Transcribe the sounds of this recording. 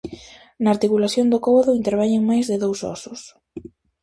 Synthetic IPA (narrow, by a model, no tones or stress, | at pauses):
naːɾt̪ikulaθjond̪okɔβoðʊint̪eɾβɛɲeŋmajzðɪðowsɔ̰sʊs